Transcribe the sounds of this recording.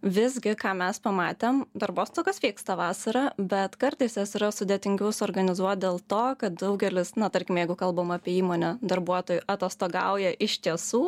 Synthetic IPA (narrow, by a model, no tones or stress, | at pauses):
ʋʲɪzʲɡʲɪkɑːmʲɛspɐmɑːt̪ʲeːmd̪ɐɾboːst̪oːkʲɐsʋʲiːkst̪ɑːʋɑːsɐɾɑːbʲɛt̪kɐɾt̪ɐɪsjɛsiɾɐsʊd̪ʲeːt̪ʲɪŋʲɡʲɛʊsoːɾɡɐnʲɪzuɔt̪̚d̪ʲeːlˠt̪oːkɐt̪̚d̪ɐʊɡʲɛlʲɪsnɐt̪ɐɾʲkʲɪmʲjɛɪɡʊkɐlˠboːmɑːpʲɛiːmoɔːnʲɛd̪ɐɾbuɔt̪oːjʊʔɐt̪ʲɐst̪oːɡɑ̰ʊjɛʔɪʃʲt̪ʲiɛsuː